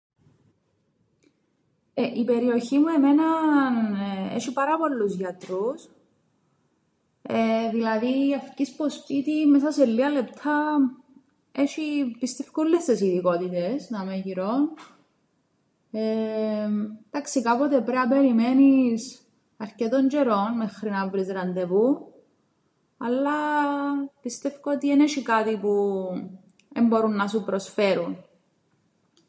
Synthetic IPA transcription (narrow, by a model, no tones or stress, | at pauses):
eʔipe̞ɾio̞çimue̞me̞nɐnḛʃipɐɾɐpo̞lːuzʝɐt̪ɾus | eðilɐðiɐfcispospit̪imesɐselːiɐlept̪ʰɐ | eʃipist̪e̞fkulːest̪esiðiko̞t̪it̪esnɐmeʝiɾo̞n | e | d̪aksikapot̪epɾeɐpeɾimenis | ɐɾcet̪oɲd͡ʒeɾo̞nmexɾinɐvɾizɾɐnd̪epu | ɐlːɐ | pist̪efkoot̪ieneʃikat̪ipu | embo̞ɾunːɐsupɾosfeɾun